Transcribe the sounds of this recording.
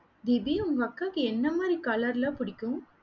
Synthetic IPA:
d̪ɪbiʊŋɡɐɐkːaːkɯɛnːɐmaːd̪ɾikaːlɐɾlaːpʊɽɪkʲːʊ̃

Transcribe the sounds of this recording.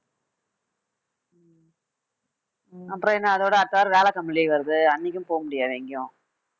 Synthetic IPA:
ɐpːɾõɪnːaːðoːɽɯɐɾt̪ːaaːɾɯʋeːlɐkɐmːɪliʋɐɾɯðɯɐnːɪk̬ʲːɯmpoːɣɐmʊɽɪjaːʋeːŋɡɪjʊ̃

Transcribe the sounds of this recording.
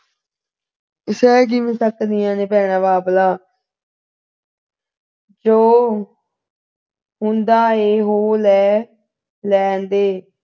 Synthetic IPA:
ɪsɛːk̬imɪ̃səkd̪ɪjãːneːpɛːɽ̃aːʋaːplaː | d͡ʒoː | ɦʊ̃nd̪aːeːɦoːlɛː | lɛːnd̪eː

